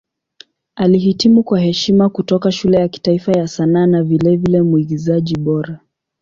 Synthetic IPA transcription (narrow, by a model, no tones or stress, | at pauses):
aliɦitimukwaɦɛʃimakutɔkaʃulɛjaki̥taifajasanaːnavilɛvilɛmuiɡizaʄiɓɔɾa